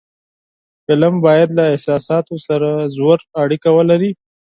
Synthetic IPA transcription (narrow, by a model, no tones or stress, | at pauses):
fɪləmbɑjad̪laɪhsɑsɑt̪osaɾazwəɾaɽikawəlaɾi